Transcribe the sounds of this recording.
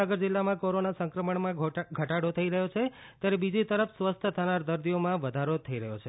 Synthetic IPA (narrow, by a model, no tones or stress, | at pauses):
aɡəɾd͡ʒɪlːamãkoɾonasə̃ŋkɾəməɳmãɡʱəʈaɽot̪ʰəiɾəɦjot͡ʃʰe | t̪jaɾebid͡ʒit̪əɾəfʰsʋəst̪ʰət̪ʰənaɾd̪əɾd̪ijomãʋəd̪ʱaɾot̪ʰəiɾəɦjot͡ʃʰe